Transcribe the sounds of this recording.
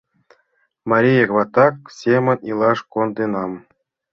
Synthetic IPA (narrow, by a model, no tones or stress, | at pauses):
mɑɾʲijekʋɑt̪ːɑk̚sʲemʲɘ̆nʲilˠɑʂkond̪enɑm